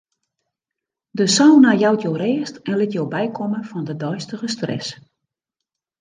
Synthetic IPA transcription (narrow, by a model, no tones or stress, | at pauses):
dəsɔwnajawtjowreːəstɛnlɪtjowbɛjkʰɔməfɔndədɔjstəɣəstrɛ̰s